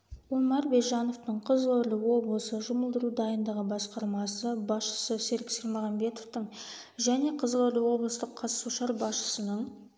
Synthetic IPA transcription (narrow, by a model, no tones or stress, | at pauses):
umɑɾbejʒɑno̞ft̪əɴqʰəzəlˠoɾlʲəwo̞blˠəsəʒʊməlˠd̪əɾud̪ɑjənd̪ɑʁəbɑsqɑɾmɑsəbɑsʃə̥səseɾkʲseɾmoʁɑmbe̞t̪oft̪əɴ | ʒæne̞qʰəzəlˠoɾlʲəwo̞blˠəst̪əqʰːɑt̪suʃɑɾbɑsʃə̥sənəɴ